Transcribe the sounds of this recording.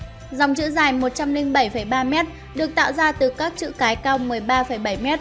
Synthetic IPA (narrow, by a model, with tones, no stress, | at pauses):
za˨˩wŋ͡mt͡ɕɨ̰˧˥zaː˨˩jmo˨˩t̚t͡ɕa˧mlï˧ŋɓə˧˩jfəː˧˩jɓaː˧mɛ˦˥t̚ | ɗɨ˨˩ək̚t̪a̰ː˧˨wzaː˧t̪ɨ˨˩kaː˦˥k̚t͡ɕɨ̰˧˨kaː˨˦jkaː˧wmɨ˨˩əjɓaː˧fə˧˩jɓə˧˩jmɛ˦˥t̚